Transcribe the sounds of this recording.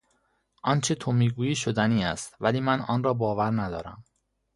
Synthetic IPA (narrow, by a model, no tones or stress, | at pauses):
ʔɒːnt͡ʃʰe̞t̪ʰomiːɡuːiːʃod̪æniːæ̰st̪væliːmænɒ̰ːnrɒːbɒːvæɾnæd̪ɒ̰ːɾæ̰m